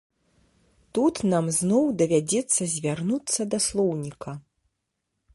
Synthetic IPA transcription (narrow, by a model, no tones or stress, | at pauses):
t̪ut̪namznɔwd̪ɐvʲad͡zʲɛt̪sːɐzʲvʲarnut̪sːɐd̪ɐslˠɔwnʲikɐ